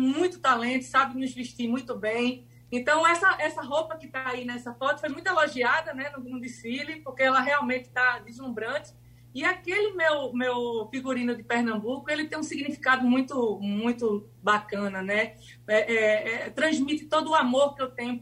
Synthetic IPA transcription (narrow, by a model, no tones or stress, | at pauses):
mũj̃t̪ʊ̥t̪alẽnt̪ʊ̥sabɪnʊzviʃt̪imũj̃t̪ʊbẽj̃ | ẽt̪ɐ̃w̃ɛsɐʔɛsɐɦowpɐkɪt̪aainɛsɐfɔt̪ʊ̥fojmũj̃t̪eloʒiad̪ɐnɛnʊɡũd̪ɪfilipohkeɛlɐɦeawmẽt̪ɪ̥t̪ad̪izlũmbɾɐ̃t͡ʃ̪ɪ̥ | iakelɪmewmewfiɡuɾĩnʊd̪ɪpeɾnɐ̃mbukʊelɪt̪ẽj̃ũsiɡnifi̥kad̪ʊmũj̃t̪ʊmũj̃t̪ʊ | bakɐ̃nɐnɛ | ɛʔɛɛt̪ɾɐ̃zmit̪ɪ̥t̪od̪ʊːamoɾkɪewt̪ẽɲʊ